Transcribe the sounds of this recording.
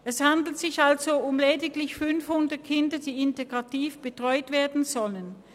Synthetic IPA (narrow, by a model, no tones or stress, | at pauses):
ʔɛshandl̩tz̥ɪçalzoʊmleːdɪklɪçfʏnfhʊndɐt̚kʰɪndɐd̥iːɪnteɡʁatiːfb̥ətʁ̥ɔʏtv̥eːɐdn̩zɔlən